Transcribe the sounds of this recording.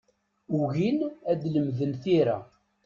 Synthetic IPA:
uɣinæd̪ləmðənθiɾæ̰

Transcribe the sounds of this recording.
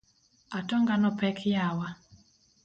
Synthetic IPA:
atɔŋɡanɔpɛkʰjawa

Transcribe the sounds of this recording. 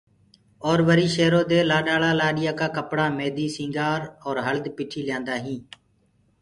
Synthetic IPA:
oːɾʋəɾiːʃeːɾoːd̪eːlaːɗaːlaːlaːɗɪjaːkaːkəpɽaːmeːd̪iːsĩːŋɡaːɾɔːɾɦəld̪piːʈʰiːljãːnd̪aːɦĩː

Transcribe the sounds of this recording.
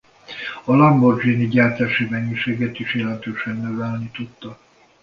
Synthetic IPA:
ɒlɒmbord͡ʒiːniɟaːrt̪aːʃimɛɲːiʃeːɡɛt̪iʃjɛlɛnt̪øːʃɛnːøvɛlnit̪ut̪ːɒ

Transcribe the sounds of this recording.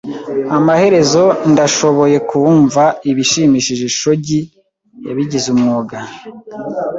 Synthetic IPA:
amahe̞ɾe̞zo̞ndaʃo̞βo̞je̞kuɱvaiβiʃiːmiʃiʒe̞ʃo̞ɟi | ja̰βiɟizumŋoɡa

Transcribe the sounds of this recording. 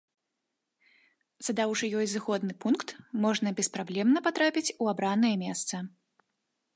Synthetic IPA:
z̥ɐd̪awʂɨjɔjzɨxɔd̪nɨpunkt̪mɔʐnɐbʲɛspɾablʲɛmnɐpat̪ɾapʲit͡sʲuabɾanɐjɐmʲɛst̪sɐ

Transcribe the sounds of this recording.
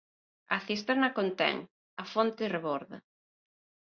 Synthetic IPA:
ɐ̰θist̪ɛɾnɐkont̪ɛ̰ŋ | ɐfont̪ɪreβoɾðɐ̰

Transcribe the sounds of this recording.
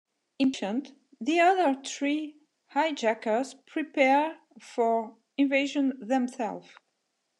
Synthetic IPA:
ɪ̃nʃə̃nt | ðiʌðə˞θɹi | haɪd͡ʒækə˞zpʰɹ̥ipʰɛɹ | fɔɹ | ɪ̃nveɪʒə̃nðɛ̃msɛ̰lˠv

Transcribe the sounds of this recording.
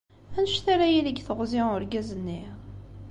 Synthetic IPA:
ænʃθaɾajiləɡθəʁziʊɾɡæzənːi

